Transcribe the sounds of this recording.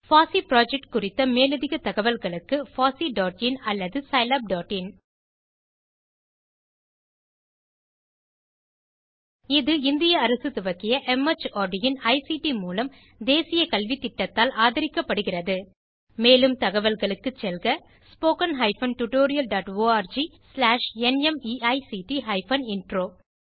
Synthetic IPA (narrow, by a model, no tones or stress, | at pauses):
faːsipɾaːd͡ʒɛk̚ʈkʊrɪt̪ːɐmeːlɯðɪɣɐt̪ːɐɣɐʋɐlɣɐɭɯkːɯfaːsiɖoːʈɪnɐlːɐðɯsɐɪlɐb̚ɖoːʈɪn | ɪðɯɪnd̪ɪjɐːɾɐsɯt̪ʊʋɐɣɪjɐʔɛmɐt͡ʃoːɖɪjɪnɐɪsiʈimuːlɐm | d̪eːsɪjɐkɐlʋit̪ːɪʈːɐt̪ːaːlʔaːðɐɾɪkːɐpːɐɽɯɣɪrɐðɯ | meːlɯmt̪ɐɣɐʋɐlɣɐɭɯkːɯt͡ʃːɛlɣɐ | spoːkɐnɦɐɪfɐnʈʊʈoːɾɪjɐlɖaːʈʋoːaːɾd͡ʒi | slaːʂɛnɛmiːɐɪsiʈiɦɐɪfɐnɪnʈroː